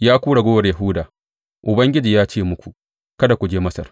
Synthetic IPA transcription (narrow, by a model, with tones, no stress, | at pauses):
jaː˦kʷuː˦ɽa˨ɡʷoː˦wɐ˨rjɐ˨ɦʊ˦daː˨ | ʔʊ˨bɐ˦ŋɡʲɪ˦d͡ʒiː˨jaː˦t͡ʃeː˦mʊ˦kʷu˨ʔ | kɐ˦da˨kʷu˨d͡ʒeː˦mɐ˦sɐ̰˨r